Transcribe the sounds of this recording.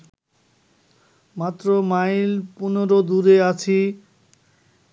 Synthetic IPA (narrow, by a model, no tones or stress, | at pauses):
mat̪ːɾomajlpunoɾod̪uɾeat͡ɕʰi